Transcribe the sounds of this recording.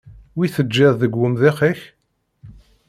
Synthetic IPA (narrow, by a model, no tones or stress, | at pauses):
wiθəd͡ʒːɪðˤðəɡʷːəmðɪχiç